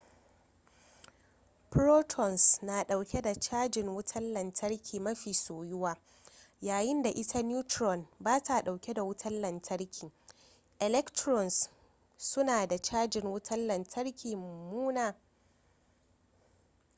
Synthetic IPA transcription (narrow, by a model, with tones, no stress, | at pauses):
pɾoː˦tʰɔ˨nsna˨ɗa˨wkʲe˦da˨t͡ʃaː˦d͡ʒɪ˨ŋwʊ˦tʰɐ˦lːɐ˨ntʰɐ˦ɽkʲiː˨mɐ˦ɸiː˨soː˨jʊ˦waː˦ | jaː˨jɪ˦nda˨ʔɪ˦tʰa˦n˦u˦tɾɔ˨nbaː˦tʰa˨ɗa˨wkʲe˦da˨wʊ˦tʰɐ˦llɐ˨ntʰɐ˦ɽkʲiː˨ | ʔɛ˨lɛ˦ktɾɔ˨ns | sʊ˦naː˨da˨t͡ʃaː˦d͡ʒɪ˨ŋwʊ˦tʰɐ˦llɐ˨ntʰɐ˦ɽkʲʰiː˨m˨muː˦naː˨